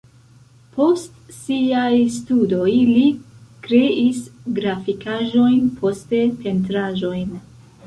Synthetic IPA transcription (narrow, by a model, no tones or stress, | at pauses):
pʰo̞stsiajstudo̞jlikɾe̞ʔisɡɾafikaʒo̞jnpʰo̞ste̞pe̞nt̬ɾaʒo̞jn